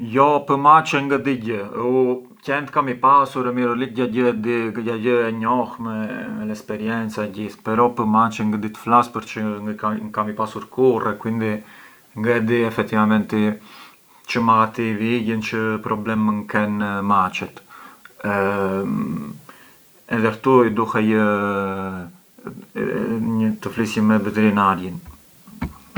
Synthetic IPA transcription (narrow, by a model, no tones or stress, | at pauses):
jɔpəmat͡ʃɛŋɡəd̪iɟəu | cɛnt̪kamipasuɾɛmiɾəliɟaɟəd̪ijaɟəɛɲɔxmɛmɛlɛspɛɾjɛnt͡saɛɟiθpɛɾɔpəmat͡ʃɛŋɡəd̪it̪ə̥flaspəɾt͡ʃəkamipasuɾkurɛkwind̪i | ŋɡɛd̪iɛfɛk̚t̪ivamɛnt̪i | t͡ʃəmaat̪iviɟənt͡ʃəpɾɔblɛməŋkɛnmat͡ʃɛt̪ | m | ɛðɛɾt̪uid̪uhɛj | ɲət̪əflisjəmɛvɛt̪ɛɾinaɾjən